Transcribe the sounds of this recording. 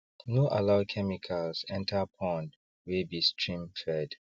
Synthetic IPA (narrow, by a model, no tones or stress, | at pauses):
noʔalaʊd̚kʰɛmikʰalsɛ̃ntʰapʰɔ̃n | webistʰɹĩmfɛd